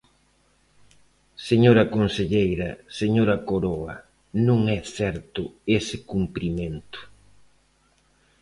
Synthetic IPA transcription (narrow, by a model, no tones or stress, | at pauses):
seɲoɾɐkonseʎejɾɐseɲoɾɐkoɾoɐ | nũŋɛsɛɾt̪ʊesɪkumpɾimẽnt̪ʊ̥